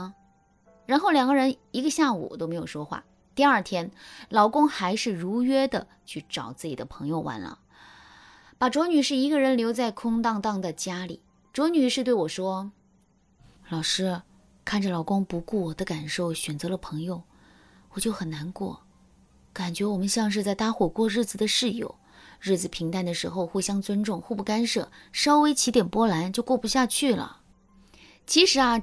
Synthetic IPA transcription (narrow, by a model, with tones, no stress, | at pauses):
ɻa˧˥nxo˥˩ʊljɑ˨˩ŋɡə˥˧ɻə˧˥ni˧˥ɡə˧ɕja˥˩ṵ˨˩t̪o˥ʊme˧˥ɪjo˨˩ʊʂwɔ˥xwa̰˥˩ | t̪i˥˧ɐ˞˥˩t̪ʰjɛ˥nlɑ˧˥ʊkʊ˥ŋxa˧˥ɪʂɻ̩˥˩ɻu˧˥ɥɛ˥d̪ə˨ | t͡ɕʰy˥˩ʈ͡ʂɑ˨˩ʊt͡sɹ̩˥˩t͡ɕi˨˩d̪ə̰˦pʰɤ˧˥ŋjo˧ʊwʔa̰˧˥nlə̰˧ | pa˨˩ʈ͡ʂwɔ˧˥ny˨˩ʂɻ̩˥˩i˧˥ɡə˧ɻə˧˥nljo˧˥ʊt͡sa˥˩ɪkʰʊ˥ŋt̪ɑ˥˧ŋt̪ɑ˥˩ŋd̪ə˩t͡ɕja˥lḭ˨˩˦ | ʈ͡ʂwɔ˧˥ny˨˩ʂɻ̩˥˧t̪we˥˩ɪwɔ˨˩ʂwɔ˥ | lɑ˨˩ʊʂɻ̩˥ | kʰa˥˩nʈ͡ʂə˩lɑ˨˩ʊkʊ˥ŋpu˧˥ku˥˩wɔ˨˩d̪ə˦ka˨˩nʂo˥˩ʊɕɥɛ˨˩nt͡sɤ˧˥lə˧pʰɤ˧˥ŋjo˧ʊ | wɔ˨˩t͡ɕjo˥˩ʊxə˨˩nna˧˥nkwɔ̰˥˩ | ka˨˩nt͡ɕɥɛ˧˥wɔ˨˩mə˦nɕjɑ˥˧ŋʂ̬ɻ̩˥˧t͡sa˥˩ɪt̪a˥xwɔ˨˩kwɔ˥˧ɻɻ̩˥˩d͡zɹ̩˨˩d̪ə˦ʂɻ̩˥˧jo̰˨˩ʊ | ɻɻ̩˥˩d͡zɹ̩˨˩pʰi˧˥ŋt̪a˥˩nd̪ə˩ʂɻ̩˧˥xo˧ʊxwe˥˩ɪɕjɑ˥ŋt͡swə˥nʈ͡ʂʊ˥˧ŋxu˥˧˩pu˥˩ka˥nʂɤ̰˥˩ʂɑ˥ʊwe˧˥ɪt͡ɕʰi˧˥t̪jɛ˨˩npwɔ˥la˧˥nt͡ɕjo˥˧ʊkwɔ˥˩pu˧˥ɕja˥˧t͡ɕʰy˥˩lə̰˩ | t͡ɕʰi˧˥ʂɻ̩˧˥ɐ˧